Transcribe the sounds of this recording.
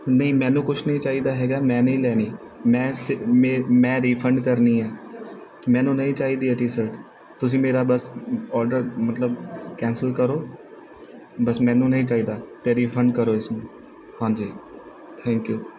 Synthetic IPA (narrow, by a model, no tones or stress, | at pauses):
nəĩːmɛ̃ːnũːkʊt͡ʃʰnəĩːt͡ʃaːiːd̪aːɦɛːɡaːmɛ̃ːnəĩːlɛːniː | mɛ̃ːsmemɛ̃ːɾiːpʰəɳɖkəɾniːɛː | mɛ̃ːnũːnəĩːt͡ʃaːiːd̪iːɛʈiːsəɾʈ | t̪ʊs̬ĩːmeːɾaːbəsɔːɾɖəɾmət̪ləb̚kɛ̃ːnsəlkəɾoː | bəsmɛ̃ːnũːnəɦĩːt͡ʃaːiːd̪aːt̪eːɾiːfʰəɳɖkəɾoːɪsnũː | hãːnd͡ʒiː | t̪ʰɛ̃ːŋkjuː